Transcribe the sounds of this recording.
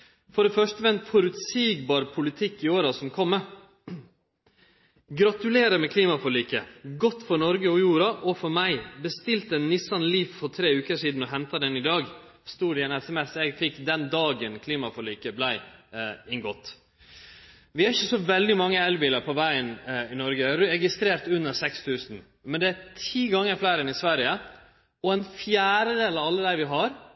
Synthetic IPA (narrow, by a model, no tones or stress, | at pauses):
fɔɖɛfœʂʈəʋɛnt̪fɔɾʉt̪siːɡbɑːɾpʰʊlɪt̪ʰɪkːɪoːɾɑsɔmkʰɔmːə | ɡɾɑt̪ʉleːɾəmɛkʰliːmɑfɔliːkəɡɔt̪ːfɔɾnɔɾɡəɔjuːɾɑʔɔfɔɾmæɪbəst̪ɪlt̪ənːɪsɑnliːffɔɾt̪ʰɾeːʉːkəʂiːd̪n̩ɔɦɛnt̪ɑd̪ɛnɪd̪ɑːɡ | st̪uːɾɪɛnɛsɛmɛsɛɡfɪkːd̪ɛnd̪ɑːɡənkʰliːmɑfɔlyːkəblæɪɪŋɡɔt̪ː | ʋɪæɾɪçəsɔʋɛld̪ɪmɑŋːəɛlbiːləɾpʰɔʋæɪənɪnɔɾɡəɛɾɾɛɡɪst̪ɾeːɾt̪ʉnːəɾsɛkst̪ʰʉːsn̩ | mɛnd̪ɛætʰiːɡɑŋːəɾflæɪɾənɪsʋæɾjə | ɔɛnfjæːɾəd̪eːlɑʋɑlːəd̪æɪʋɪɦɑɾ